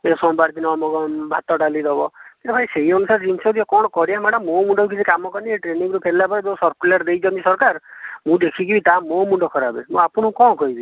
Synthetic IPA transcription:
esɔmbaɾt̪inɔmɔɡɔbʱa̰t̪ɔʈalid̪ɔbɔk̪et̪epʰaiseɦiɔnusaɾd͡ʒinsɔd̪iɔkɔɽ̃ɔkɔɾiamaɽɔmomuɳɖɔuk̬it͡ʃʰikamɔkɔnieʈɾeniŋɡɔɾupʰellapɔɾibesɔɾkʰulaɾd̪ejd͡ʒɔnisɔɾkaɾmũd̪ekʰikibit̪amomuɳɖɔkʰɔɾabemũapuɽ̃ukɔ̃kɔɦibi

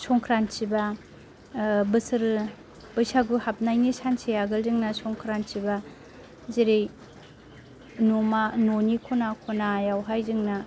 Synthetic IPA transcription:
sɔŋkʰɾansiba | bɯsɯɾɯ | b̥ɯjsaɡuhap̚najnisansʰejaɡɯlzɯŋnasɔŋkʰɾansiba | zeɾej | nomanonikʰonakʰonajawɦajzɯŋna

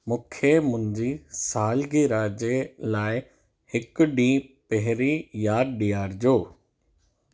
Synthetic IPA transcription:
mʊ̃kʰemʊ̃ɪ̃ɲd͡ʑisaːlɡiɾaːd͡ʑelaːɪ | hɪkɖĩːpɛɦɾijaːɗiːaːɾd͡ʑoː

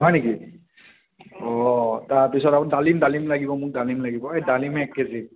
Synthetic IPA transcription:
ɦɔjneki | ɔtaɹpisɔtapʊnidalimdalimlaɡibɔmʊk̚dalimlaɡibɔɛdalimɛːkːɛzi

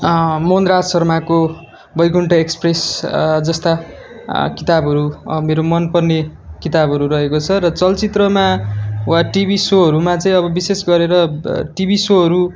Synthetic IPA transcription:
monɾad͡zsʌrmako | bʌjɡuɳʈʌekspresd͡zʌst̪a | kit̪abʱɦʌɾṵmeɾomʌnpʌrnekit̪abʱʌɾuɾʌɦekot͡sʰʌɾʌt͡sʌlt͡sit̪rʌmawaʈibisoɦʌɾumat͡sʌĩʌbʌbisesɡʌɾeɾʌʈibisoɦʌɾu

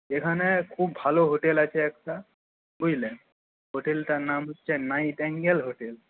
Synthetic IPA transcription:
ekʰanɛkʰubːʱaloɦoʈelat͡ɕʰɛɛk̚ʈa | kojle | ɦoʈelʈanamotːʃʰanajʈɛŋɡelɦoʈel

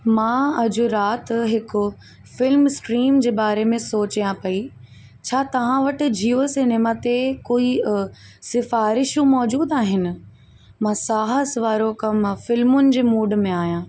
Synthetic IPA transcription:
mãːɐd͡ʑʊɾaːt̪ɦɪkʊ | fɪlmsʈɾiːmd͡ʑeːbaːɾemẽsoːt͡ɕijãpɐi | t͡ɕʰaːt̪ɐʋ̤ãʋɐʈɪ̆d͡ʑiosɪneːmat̪ekoːi | sɪfaːɾɪʃũmɔːd͡ʑuːd̪aːɦɪnɪ̆ | mãːsaːɦəsʋaːɾokɐmfɪlmʊnɪ̆d͡ʑeːmuːɖ̆mẽaːijãː

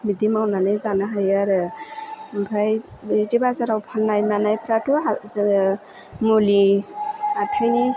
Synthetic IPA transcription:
midimawnanɯjzanaɦajaɾ | bʱajdibazaɾawpʰanːajnanajpʰɾatua | muli | atʰajni

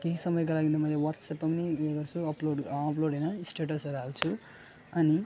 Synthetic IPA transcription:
keɦisʌmʌjk̬alaɡind̪̬ʌmʌjlewʌtsapːʌmniɡʌrt͡sʰuʌploɽːploɽenʌisʈeʈʌsʌɾuɦalt͡sʰu | ʌni

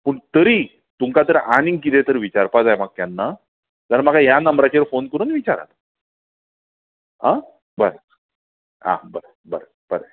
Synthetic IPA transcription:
pəɳt̪əɾiː | t̪uŋkat̪əɾaɽ̃ĩŋɡkit̪et̪əɾʋit͡ɕaɾpad͡zajmaɡ̚t̪janːa | d͡zəɾmaɡajanəmbɾat͡ɕeɾfonkəɾuːnʋit͡ɕaɾa̰t̪ | ɦã | bəɾə | a̰bəɾə | bəɾə | b̥əɾə

